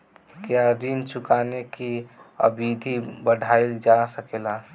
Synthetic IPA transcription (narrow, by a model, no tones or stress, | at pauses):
keaɾint͡ʃukanekiə̰bid̪ʱibəɖʱaeld͡ʒasəkela